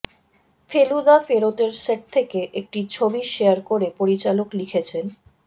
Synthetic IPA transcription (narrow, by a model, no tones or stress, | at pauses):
felud̪afeɾot̪eɾseʈ̚t̪ʰːekeʔek̚ʈit͡ɕʰobiʃeaɾkoɾepoɾit͡ɕaloklikʰet͡ɕʰen